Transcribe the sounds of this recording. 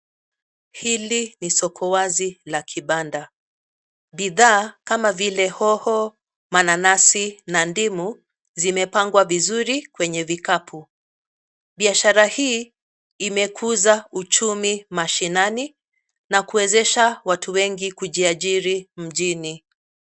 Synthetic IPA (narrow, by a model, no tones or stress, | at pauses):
hilinisɔkʰɔwazilakʰiɓanda | ɓiðaːkamavilɛhɔhɔ | mananasinandimu | zimɛpaŋɡwavizuɾikwɛɲɛvikapʰu | ɓiaʃaɾahiː | mɛkʰuzaut͡ʃumimaʃinani | nakuwɛzɛʃawatʰuwɛŋɡikuʄiaʄiɾim̩ʄini